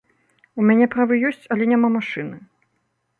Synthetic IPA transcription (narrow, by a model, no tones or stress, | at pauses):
umʲanʲɛpɾavɨjɔsʲt͡sʲɐlʲɛnʲamamaʂɨnɨ